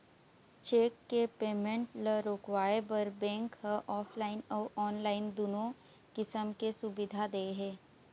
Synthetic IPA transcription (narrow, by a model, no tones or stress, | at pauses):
t͡ʃeːkːepeːmə̃ɳʈləɾoːkwaːebɐɾbɛ̃ːŋkhəʔɔːpʰlaːɪnɔːʔɔːnlaːɪnd̪ʊːnõ | kɪsəmkesʊbɪd̪ʱad̪eɦɛ̃ː